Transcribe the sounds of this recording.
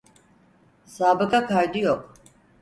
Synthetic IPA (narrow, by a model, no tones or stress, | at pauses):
saːbɯkʰakʰajd̪ijok